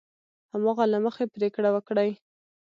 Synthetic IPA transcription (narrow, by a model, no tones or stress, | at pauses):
hamɑɣalaməxepɾekɽawəkɽaj